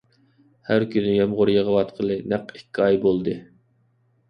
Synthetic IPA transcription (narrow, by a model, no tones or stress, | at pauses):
hæɾkʲynɪjɛmʁʊɾjəʁəwɑt̪qʰəlˠɨnæqikʲːiɑjbolˠd̪ɨ